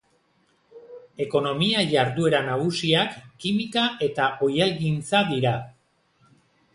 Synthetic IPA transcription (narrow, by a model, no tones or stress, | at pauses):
e̞ko̞no̞miaʝaɾðue̞ɾanaɣ̞usiakːimikaʔe̞t̪aʔo̞jalɣint͡saðiɾa